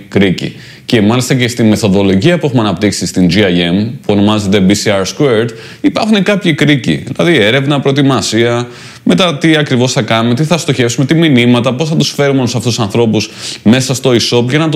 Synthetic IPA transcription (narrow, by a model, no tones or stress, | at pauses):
kɾicḭ | ce̞mɐlist̪ɐce̞st̪ime̞θo̞ðo̞lo̞ʝiɐpue̞xumeɐnɐpt̪iksist̪ind͡ʒiɐe̞mpuo̞no̞mɐze̞t̪̬e̞bisiɐɾskueɾt̪ | ipɐɾxunekɐpçikɾicḭðilɐ̰ðie̞ɾe̞vnɐpɾoet̪imɐsiɐ | me̞t̪ɐt̪iɐkɾivo̞sθɐkɐnumet̪iθɐst̪o̞çe̞fsume̞t̪iminimɐt̪ɐpo̞sθɐt̪usfe̞ɾumeonusɐft̪usɐnθɾo̞pusme̞sɐst̪o̞iso̞pʝɐnɐt̪